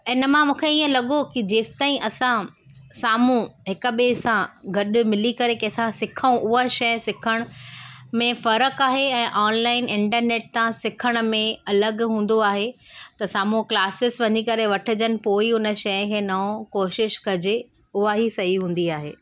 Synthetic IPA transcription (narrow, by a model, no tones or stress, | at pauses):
ɪnə̆mãmũːkʰeiːə̃lɐɠokid͡ʑeːst̪aːĩʔɐsãsaːmũɦɪkʊ̆ɓesãɡʱɐɗ̆mɪlikɐɾekiɐsãsɪkʰaũʔʊɦaʃɐjsɪkʰəɽ̃ʊmẽfɐɾəkaːɦeɛ̃ːʔɔːnlaːɪnɪ̃ɳʈəɾneːʈ̚t̪ãsɪkʰəɽ̃ʊ̆mẽɐləɡɦũːn̆d̪oaːɦe | t̪ɐsaːmũklaːsɪsʋɐɲikɐɾeʋɐʈʰɪd͡ʑənɪ̆poːiʊnə̆ʃɐjə̃kʰeːnɐõkoːʃɪʃkɐd͡ʑe | ʊɦaɦisɐɦiɦũːn̆d̪iaːɦḛː